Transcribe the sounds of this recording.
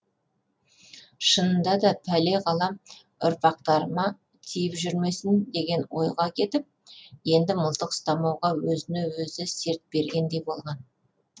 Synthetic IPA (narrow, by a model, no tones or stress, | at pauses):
ʃənənd̪ɑd̪ɑpʰæle̞ʁɑlˠɑm | ʊ̰ɾpɑq̚t̪ɑɾəmɑ | t̪ʰijɪpʒʏɾme̞sɪnd̪e̞ɡʲe̞nwo̞̰jʁɑkʲʰe̞t̪ɪp̚ | je̞nd̪ɪməlˠt̪əqst̪ɑmɑwʁɑwɵzɪnewɵzɪse̞ɾt̪̚b̥e̞ɾɡʲe̞nd̪e̞jbo̞lˠʁɑn